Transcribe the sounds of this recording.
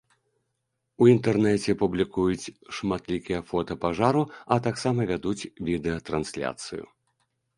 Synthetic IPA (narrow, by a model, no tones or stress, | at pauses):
uint̪ɛrnɛt͡sʲɛpublʲikujut͡sʲʂmat̪lʲikʲijɐfɔt̪ɐpaʐaɾuɐt̪aksamɐvʲad̪ut͡sʲvʲid̪ɛjɐt̪ɾansʲlʲa̰t̪sɨ̰jṵ